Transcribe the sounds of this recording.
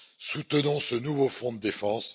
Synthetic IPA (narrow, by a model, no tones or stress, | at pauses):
sut̪ənɔ̃sənuvofɔ̃d̪əd̪efɑ̃s